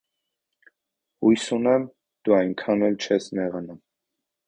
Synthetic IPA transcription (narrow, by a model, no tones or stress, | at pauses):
hujsunɛm | d̪̥uɑjŋkʰɑnɛlt͡ʃʰɛsmɛʁɑnum